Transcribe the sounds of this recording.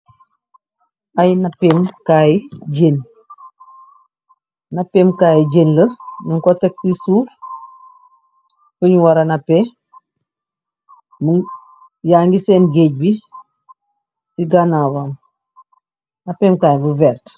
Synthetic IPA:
ajnapemkaːjiɟen | napeːmkaːjiɟenləniŋkotek̚sisuːf | kəɲuwaɾanape | m | jaːŋɡiseːnɡeːɟ̚bi | siɡanawan | napeːmkaːjibuvɛːɾt

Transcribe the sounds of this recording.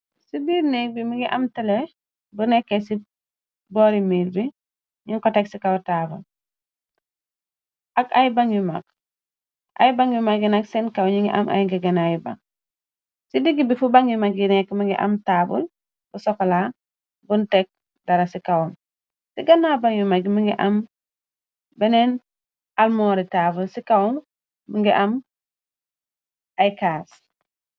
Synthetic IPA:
sibiːɾnɛbimiŋɡiʔamtɛle | bunɛkːesi | bɔɾimiːɾbi | ɲiŋkɔtɛksikawtaːbṵl | ʔakajbaŋima̰k̚ | ʔa̰jbaŋwimaɡinaksɛnkawɲiŋɡḭʔa̰mʔa̰jŋɡiɡɐnajiba̰k̚ | sidiɡːibifubaŋjumaɡinɛkmiŋɡḭʔa̰mtaːbṵl | busɔkɔla | buntɛk̚ | daɾasikawɔŋ | siɡɐnːabaŋjumaɡimiŋɡiʔam | bɛnɛn | almɔːɾitaːbulsikawɔŋ | buŋɡiʔam | ajkaːs

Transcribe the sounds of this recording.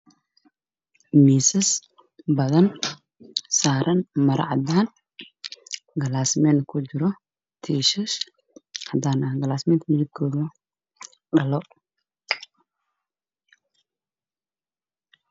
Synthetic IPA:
miːsɐs | bɐðɐn | saːɾʔɐnmɐɾɐ̰ʕɑ̰d̪aːn | ɡɐlaːsmɛnkʰʊd͡ʒɪɾɔ | t̪ʰiːʃɪʃ | ɐd̪anɐɡɐlaːsmɛːnt̪ʰmɪjɪɡkʰːɔːðɐ | ɖɐlɔ

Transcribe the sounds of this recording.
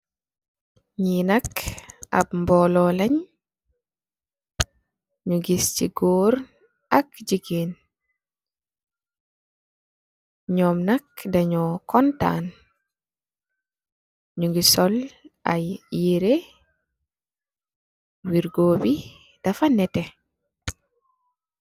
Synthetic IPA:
ɲinɐkʔa̰bmbɔlɔlɐɲ | ɲuɡist͡ʃḭɡoːɾ | ɐkd͡ʒiɡen | ɲɔmnakdaɲɔkɔnta̰ːn | ɲuŋɡisɔlajjiɾe | wiɾɡoːbi | d̥afanɛtɛ

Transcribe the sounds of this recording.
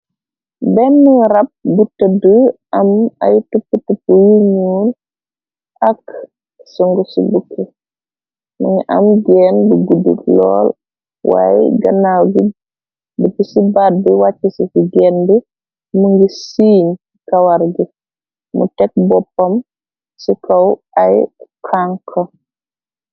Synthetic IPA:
bɛnːiɾɐp̚ɡutədəʔɐma̰jtupːutupːujuɲuːn | ʔɐk | suŋɡusibukʰːə | məŋiʔa̰mɡɛːnbuɡudṵtlɔ̰ːl | wa̰jɡɐnawɡi | dibisibad̚biwat͡ʃːisisiɡɛnbi | muŋɡisiːɲ | kawaɾɡi | mṵtɛk̚bɔpːɐm | sikʰɐwʔajkʰaŋkʰɐ

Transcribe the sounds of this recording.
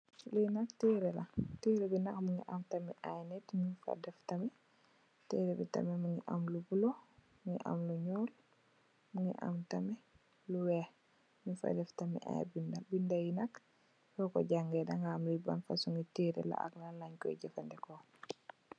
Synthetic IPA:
lunaktiːɾɛlatiɾɛbinakmuŋɡiʔamtamɛʔajnɛtɲufa̰dɛftamɛ | tiːɾɛbita̰mɛmuŋiʔamlubulomuŋḭʔa̰mluɲɔːl | muŋḭʔa̰mtamɛ | luwɛh | mufa̰dɛftamɛ̰ʔa̰jbindabindajinak | kɔkɔ̰ɟaŋɡɛdaŋɡaamluba̰nfasuŋɡitiɾɛ̰la̰ʔa̰knalaɲkɔ̰iɟɛfandɛkɔ

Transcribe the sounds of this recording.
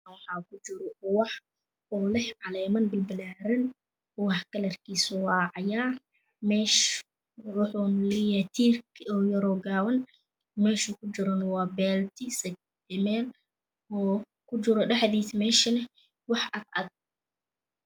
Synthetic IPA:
wɑħɑːkʊt͡ʃɪɾɔʔʊwɑħ | ɔːlɛhʕɑlɛːmɐnbɪlbɪlaːɾɐn | wɑħkɐlɐrkʰiːsɔwɑːʕɑjaːr | mɛːʃ | wʊħʊmlɪjat̪ʰiːrkɔːjɐɾɔɡaːwɐn | mɛːʃʊkʰʊd͡ʒɪɾɔnɐwɑːbɛːlt̪ɪsɐk̚ | ɪmɛːl | ɔː | kʰʊd͡ʒɪɾɔɗɐħðiːsmɛːʃɐnɛ | wɑħɐd̪ɐd̚

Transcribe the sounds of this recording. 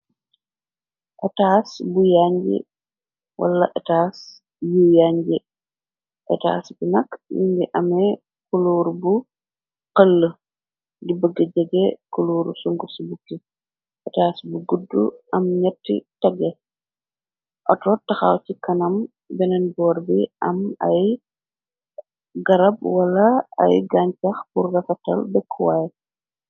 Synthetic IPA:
ʔɛtaːsbujaɲɟɛ̰ | wʔɐ̰lːɐʔɛtaːs | juːjaɲɟi | ʔɛta̰ːsbinɐkːjḭŋɡɛʔɐmɛ | kuluːɾbu | qəlːə | ɡibəɡːɛɟɛɡɛkuluːɾusuŋɡusubukːi | ʔɛtaːsbuɡudːṵɐmɲɐtːḭtɔɡɛ | ʔɔtɔtɐxa̰wt͡ʃikɐnɐm | bɛnɛnbɔːɾbiʔɐ̰mɐ̰j | ɡɐɾɐb̚wɐlɐɐ̰jɡaɲcɐxpurːɐfɐtɐ̰lbɛkʰːuwaj

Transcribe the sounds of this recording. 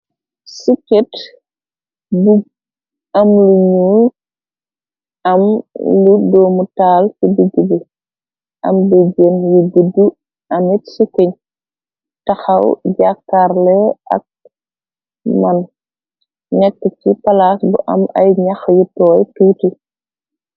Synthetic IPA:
siket | buɡ̚ | ɐmluɲu | ɐmludɔːmutaːlkibuɡubu | ʔɐ̰mduɟenjubudːu | ʔɐmitsikːəɲ | tɐxɐwɟakːaɾlɛʔɐ̰k̚ | mɐn | nɛkːəcipɐlasbuʔɐ̰mɐ̰jɲɐxjutɔːjtuːti

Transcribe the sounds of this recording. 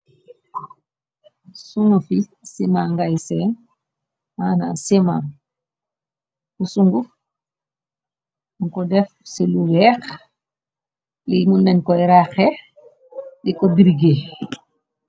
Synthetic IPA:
suŋɡufisimaŋɡajsɛn | ana̰siman | kusuŋɡuf | ŋkɔdɛfsiluwɛx | limundɛnkɔjɾaxɛ | dikɔdiɾiɡe

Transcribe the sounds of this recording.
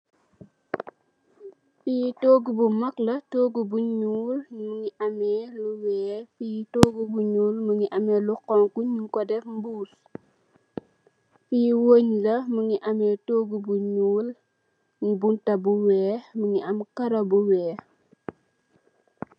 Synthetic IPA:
fijtoːɡubumɐklɐtoːɡubuɲuːlməŋiʔɐmɛːluwɛːfijitoːɡubuɲuːlməŋiʔɐmɛːluqɔŋkuɲuŋkɔdɛfmbuːs | fijwoɲlɐməŋiʔɐmɛːtoːɡubuɲuːl | buntɐbuwɛːməŋiʔɐmkɐɾɐbuwɛː

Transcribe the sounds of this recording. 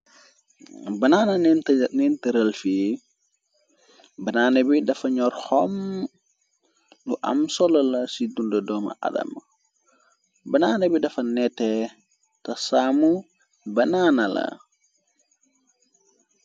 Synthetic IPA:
bɐnaːnɐnnnɛntəɾəlfi | bɐnaːnɐbidɐfɐɲɔɾhɔm | nuʔa̰msɔlɐlɐsidundɐdɔmɐ̰ʔa̰dɐ̰m | bɐnaːnɐbidɐfɐnɛtːɛ | tɐsamu | bɐnaːnɐlɐ̰

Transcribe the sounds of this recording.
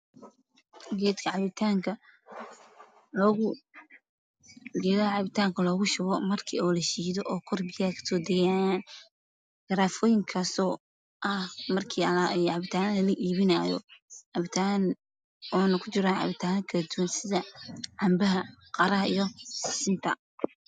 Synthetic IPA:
ɡɛːd̪kʰɐʕɑβɪt̪ʰaːŋkʰɐ | lɔːɣʊ | ɡɛːðɐɐʕɑβɪt̪ʰaːŋkʰɐlɔːɣʊʃʊɣɔmɐrkʰḭːɔːlɐʃiːðɔʔɔːkʰɔrbɪjaːkʰɐ̥sɔːd̪ɛjajaːn | ɡ̥ɐɾaːfɔːjɪŋkʰasɔː | ʔɐhmɐrkʰiːlʕɑβɪt̪ʰaːnɐlɐlɐʔiːβɪnaːjɔ̰ʕɑβɪt̪ʰaːn | ɔːnɐkʰʊt͡ʃɪɾaːʕɑ̰βɪt̪ʰaːɐkʰɐlɐd̪uwɐnsɪðɐʕɑmbɐɦɐqɑɾɐɦɐijɔssɪnt̪ʰɐ̰

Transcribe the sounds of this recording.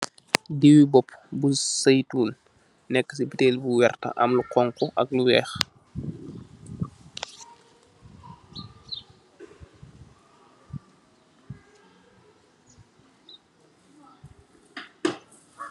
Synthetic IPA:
diwibɔpbusɐjtuːl | nɛkːəsibitɛːlbuwɛrtɐ̰ʔɐ̰mluqɔŋkɔʔɐ̰k̚luwɛːx

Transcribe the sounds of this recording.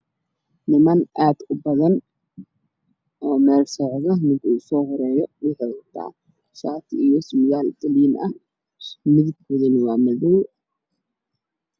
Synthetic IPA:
nɪmɐnʔaːd̪̥ʊbɐðɐn | ʔɔːmɛːrsɔʕðɐmɪŋkʰʊusɔːɦɔɾɛːjɔɗɪħɐðɐt̪ʰa̰ː | ʃaːt̪ʰɪijɔsmɪɣaːlt̪ʼɐliːnʔɐ̰h | mɪðɡkɔðɐnɪwaːmɐðɔw

